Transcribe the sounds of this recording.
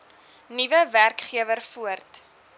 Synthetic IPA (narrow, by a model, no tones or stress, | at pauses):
nivəværkχiəvərfuərt